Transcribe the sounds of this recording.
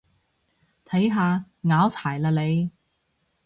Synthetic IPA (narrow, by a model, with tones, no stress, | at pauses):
t̪ʰɐ˨˥jɦaː˧ | ŋaː˨˥wt͡sʰaː˨˩jlaː˧le˨˧j